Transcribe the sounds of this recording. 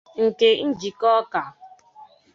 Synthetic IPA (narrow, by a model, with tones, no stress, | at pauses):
ŋ̩˨ke˨n̩˦d͡ʒi˨kɔ˦ka˨